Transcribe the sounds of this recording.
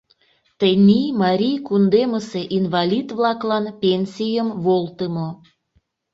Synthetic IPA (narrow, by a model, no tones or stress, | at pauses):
t̪ənʲimɑɾʲijkund̪eməseʔinvɑlʲit̪βlɑklɑnpʲenʲsʲijəmβolt̪əmo